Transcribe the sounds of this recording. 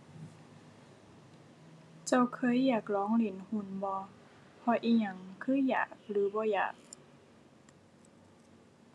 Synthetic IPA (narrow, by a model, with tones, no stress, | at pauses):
t͡ɕa˧˩wkʰɤː˧˥˨jːaː˨˩k̚lɔː˨˦ŋli˧˩˨nhu˧˨nbɔː˧˦ | pʰɔ˧ʔiː˧˨ɲa˧˩ŋkʰɯː˧˥˨jːa̰ː˨˩k̚lɯː˨˦bɔː˧˦ja̰ː˨˩k̚